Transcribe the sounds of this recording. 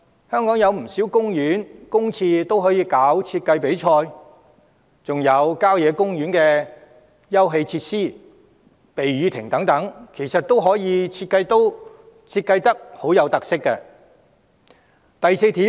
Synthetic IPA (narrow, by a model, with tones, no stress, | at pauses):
hœː˥ŋkɔː˨˥ŋjɐ˨˧wm̩˨˩siː˨˥wkʊ˥ŋjyː˨˥nkʊ˥ŋt͡sʰiː˧t̪o˥wɦɔː˨˥jiː˧kaː˨˥wt͡sʰiː˧t̚kɐ˧jpe˨˥jt͡ʃʰɔː˧j | t͡sʊ˨ŋjɐ˨˧wkaː˥wjɛː˨˧kʊ˥ŋjyː˨˥nkɛː˧ | jɐ˥wɦe˧jt͡sʰiː˧t̚siː˥ | pe˨jɥyː˨˧t̪ʰɪ̰˨˩ŋt̪ɐ˨˥ŋt̪ɐ˨˥ŋkʰe˨˩jsɐ˨t̚t̪o˥wɦɔː˨˥jiː˨˧t͡sʰiː˧t̚kːɐ˧jt̪o˥w | t͡sʰiː˧t̚kːɐ˧jt̪ɐ˥k̚ho˨˥wjɐ˨˧wt̪ɐ˨k̚sɪ˥kːɛ˧ | t̪ɐ˨jse˧jt̪iː˨˥